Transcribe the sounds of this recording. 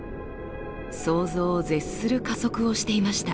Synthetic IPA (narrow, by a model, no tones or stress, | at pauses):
so̞ːzo̞ːze̞sːɨɾɯ̟kazo̞kɯ̟o̞ɕi̥t̪e̞imaɕi̥t̪a